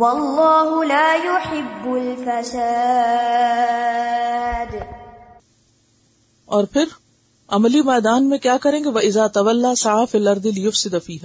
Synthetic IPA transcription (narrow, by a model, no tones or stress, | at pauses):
wɑlˤːɑːɦʊlaːjʊħɪbːʊlfasa | d̪ | ɔːɾpʰɪɾ | ɐmlimɛːd̪aːnmẽkjaːkɐɾẽːŋɡeʋɐʔɪzaːt̪ɐʋɐlːaːsaʕaːfiːlɐɾd̪ˤɪlɪjʊfsɪd̪fiːɦaː